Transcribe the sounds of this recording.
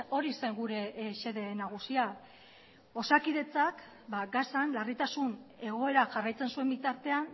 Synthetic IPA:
o̞ɾiseŋɡuɾe̞se̞ðe̞naɣ̞usia | o̞sakiðe̞t͡sak | baɡasanlarit̪asune̞ɣ̞o̞e̞ɾaʝarajt͡se̞nsue̞mbit̪aɾt̪e̞an

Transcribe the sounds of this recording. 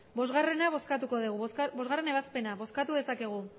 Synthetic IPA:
bo̞zɣare̞naβo̞skat̪uko̞ðiɣ̞ubo̞zɣare̞ne̞βaspe̞naβo̞skat̪uðe̞sake̞ɣ̞u

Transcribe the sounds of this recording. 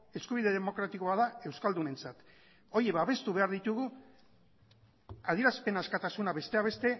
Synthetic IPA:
e̞skuβ̞iðe̞ð̞emo̞kɾat̪iko̞aðae̞wskald̪une̞nt͡sat̪ | o̞ɾje̞βaβe̞st̪uβe̞aɾðit̪uɣu | að̞ie̞ɾaspe̞naskat̪asunaβe̞st̪e̞aβ̞e̞st̪e̞

